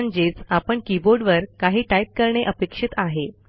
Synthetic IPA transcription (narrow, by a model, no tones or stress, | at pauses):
nd͡ʑet͡sapəɳkiboɾɖʋəɾkaɦiːʈajp̚kəɾɳeʔəpekʂit̪aɦe